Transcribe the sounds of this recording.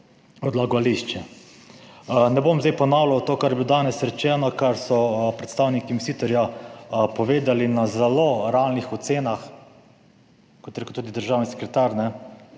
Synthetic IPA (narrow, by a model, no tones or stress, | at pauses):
ɔd̪laɡɔaliʃt͡ʃɛ | nɛbomzd̪ɛjpɔnawlɔwt̪oːkaɾjbʲilod̪aːnɛsɾɛt͡ʃɛːnɔkaɾsɔpɾɛt̪st̪aːwnikimisiːt̪ɔɾjapɔʋeːd̪alinazɛloɾalnixɔt̪seːnax | kɔt̪jɾeːkuʊt̪uːd̪id̪əɾʒaːwnisɛ̥kɾɛt̪aɾnɛ